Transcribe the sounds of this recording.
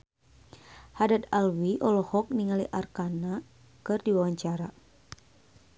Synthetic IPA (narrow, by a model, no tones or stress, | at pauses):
hadat̪alwiʔɔlɔhɔk̚niŋaliʔarkana | kɨrdiwawaɲt͡ʃaɾa